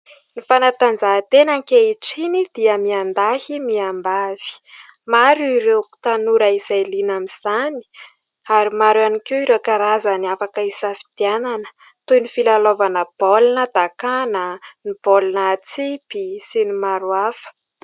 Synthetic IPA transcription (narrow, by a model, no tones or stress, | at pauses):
nifanat̪and͡zat̪enaŋkeiʈ͡ʂinid̪̥iəmiand̪ahimiambav̥i̥ | maɾuiɾewku̥t̪anuɾəizajlinamiz̥ani̥ | aɾimaɾuanikeiɾekaɾazaniafakəisafi̥d̪̥iananə̥ | t̪ujnifilalovanəb̥olunəd̪akanənib̥olunət͡sipisinimaɾuafə̥